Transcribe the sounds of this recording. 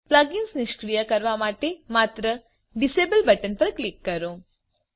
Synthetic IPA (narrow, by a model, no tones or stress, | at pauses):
plaɡinsniʃkɾijəkɐɾʋamaːʈ̪emaːt̪ɾə | ɖisebəlbɐʈənpɐɾklikːɐɾoː